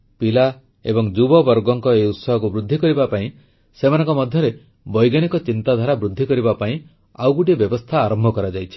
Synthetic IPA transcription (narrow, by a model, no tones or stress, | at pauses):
pila | ḛbɔŋd͡ʒubɔbɔɾɡɔŋkɔejut̪sɔɦɔkubɾud̪ʱːikɔɾibapaĩ | semanɔŋkɔmɔd̪ʱjɔɾe | bɔjɡaɽ̃ikɔt͡ʃint̪ad̪ʱaɾabɾud̪ʱːikɔɾibapaĩ | awɡuʈiebjɔbɔst̪ʰaːɾɔmbʱɔkɔɾad͡ʒajt͡ʃʰi̥